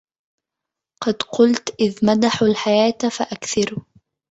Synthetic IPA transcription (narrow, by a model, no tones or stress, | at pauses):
qɑd̪qʊlt̪ʔɪðmad̪aħalħajaːt̪faʔakθɪɾ